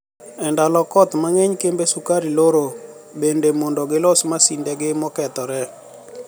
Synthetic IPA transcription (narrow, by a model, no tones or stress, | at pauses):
ɛndalɔkɔt̪maŋɛɲkembesukaɾiloɾo | bendemɔndɔɡɪlɔsmasindɛɡɪmɔkɛt̪ɔɾɛ